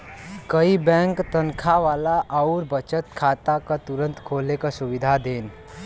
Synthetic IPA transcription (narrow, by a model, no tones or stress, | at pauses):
kəibɛ̃ŋkt̪ənkʰaʋaːlaʔəuɾbət͡ʃət̪kʰat̪akat̪uɾə̃nt̪kʰoːlekasuʋɪd̪ʱad̪eːn